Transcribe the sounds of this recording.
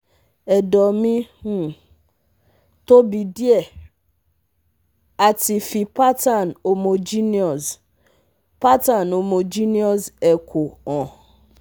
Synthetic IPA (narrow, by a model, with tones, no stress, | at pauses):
e˨dɔ˨mɪ˦ŋu˨ | to˦bi˨di˦e˦ | a˨ti˨fi˨pa˦ta˦˨n̩˨o˨mo˨d͡ʒi˦ni˦ɔ˨z | pa˦ta˨no˨mo˨d͡ʒi˦ni˦ɔ˦se˨kʰʷʊ˨ɔ̃˨